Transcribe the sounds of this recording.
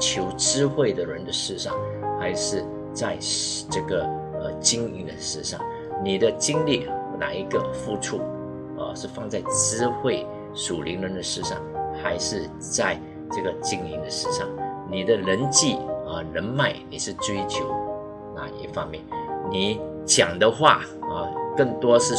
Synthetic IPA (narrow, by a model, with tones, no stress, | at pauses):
t͡ɕʰjo˧˥ʊt͡sɹ̩˥xwe˥˩ɪd̪ə˨ɻə˧˥nd̪ə˧ʂɻ̩˥˧ʂɑ̰˥˩ŋ | xa˧˥ɪʂɻ̩˥˧ | t͡sa˥˧ɪʈ͡ʂɤ˥˩ɡə˩ə̰˧˩t͡ɕi˥ŋḭ˥˩nd̪ə˨ʂɻ̩˥˧ʂɑ̰˥˩ŋ | ni˨˩d̪ə˦t͡ɕi˥ŋli˥˩na̰˨˩i˧˥ɡə˧fu˥ʈ͡ʂʰu˥˩ | ə̰˧ʂɻ̩˥˧fɑ˥˧ŋt͡sa˥˧˩ɪt͡sɹ̩˥xwe˥˩ɪ | ʂu˨˩li˧˥ŋlə˧˥nd̪ə˧ʂɻ̩˥˧ʂɑ̰˥˩ŋxa˧˥ɪʂɻ̩˥˧ | t͡sa˥˧ɪ | ʈ͡ʂɤ˥˩ɡə˩t͡ɕi˥ŋli˧˥ŋd̪ə˧ʂɻ̩˥˧ʂɑ̰˥˩ŋni˨˩d̪ə˦lə˧˥nt͡ɕi˥˩ə˩ɻə˧˥nma˥˩ɪni˨˩ʂɻ̩˥˩t͡swe˥ɪt͡ɕjo˧˥ʊ | na̰˨˩ḭ˥˩fɑ˥ŋmjɛ˥˩nni˨˩˦ | t͡ɕjɑ˨˩ŋd̪ə˦xwa̰˥˩ə˩kə˥˩ŋt̪wɔ˥ʂɻ̩˥˩˨